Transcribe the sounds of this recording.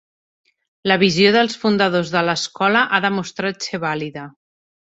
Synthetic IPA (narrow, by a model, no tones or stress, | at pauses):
ləβizioðəlˠsfund̪əðozðələskɔləʔaðəmust̪ɾat̪seβ̞aliðə